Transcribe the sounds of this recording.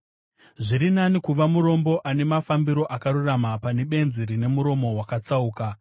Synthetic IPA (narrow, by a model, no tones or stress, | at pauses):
ʐiɾinanikuʋamuɾo̞mbo̞ʔane̞mafambiɾo̞ʔakaɾuramapane̞ɓe̞nziɾine̞muɾo̞mo̞wakat͡sauːka